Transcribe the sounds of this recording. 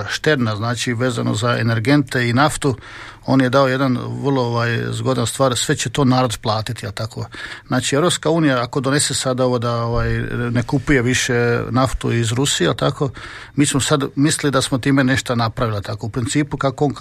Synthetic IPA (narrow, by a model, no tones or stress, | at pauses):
ʃt̪e̞ɾnaznaːt͡ʃiʋe̞ːza̰no̰zaḛne̞ɾɡe̞nt̪e̞inaft̪u | o̞ːnje̞d̪ao̞je̞d̪anʋrlˠooʋaːjzɡo̞d̪anst̪ʋaːɾsʋe̞t͡ɕet̪o̞ːnaːɾod̪plˠaːt̪it̪ielˠt̪akoznaːt͡ʃieʋɾo̞pskauːnijaako̞d̪one̞sesad̪ao̞ʋod̪aoʋaːjne̞kupuje̞ʋiʃe̞naft̪uizɾusieelt̪ako̞ | miːsmosad̪misilid̪asmot̪iːme̞ne̞ʃt̪anapɾaʋilit̪ako̞upɾint̪siːpukakoon